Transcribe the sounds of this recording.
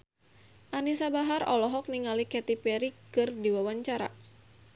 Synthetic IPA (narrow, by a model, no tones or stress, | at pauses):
ʔanisabaɦaɾɔ̰lɔɦɔk̚niŋalikɛt̪ipɛɾikɨrdiwawaɲt͡ʃaɾa̰